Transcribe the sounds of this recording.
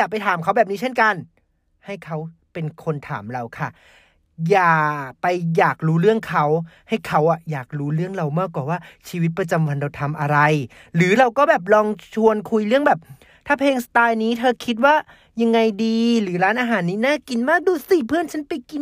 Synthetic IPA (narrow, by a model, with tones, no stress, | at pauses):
jaː˨˩k̚pa˧jt̪ʰaː˨˩˦mkʰa˦˥wbɛː˨˩p̚niː˦˥t͡ɕʰe˥˩nka˧n | ha˥˩jkʰa˦˥wpe˧nkʰo˧nt̪ʰa̰ː˩˦mɾa˧wkʰa˥˩ | jaː˨˩pa˧jjaː˨˩k̚ɾuː˦˥ɾɯ˥˩əŋkʰa˦˥wha˥˩jkʰa˦˥wʔa˨˩jaː˨˩k̚ɾuː˦˥ɾɯ˥˩əŋɾa˧wmaː˥˩kwaː˨˩waː˥˩t͡ɕʰiː˧wi˦˥t̪̚pɾa˧t͡ɕa˧mwa˧nda˧˩wt̪ʰa˧mʔa˧ɾa˧j | ɾɯː˩˦ɾa˧wkɔː˥˩bɛː˨˩p̬̚lɔː˧ŋt͡ɕʰu˧ənkʰu˧jlɯ˥˩əŋbɛː˨˩p̚ | t̪ʰaː˥˩pʰeː˧ŋsa˧t̪aː˧jniː˦˥t̪ʰɤː˧kʰi˦˥t̪̚waː˥˩ | ja˧ŋːa˧jdiː˧ɾɯː˩˦ɾaː˦˥nʔaː˧ɦaː˨˩˦nːiː˦˥naː˥˩ki˧nmaː˥˩k̚duː˧siː˨˩pʰɯ˥˩ənt͡ɕʰa˦˥npa˧jki˧n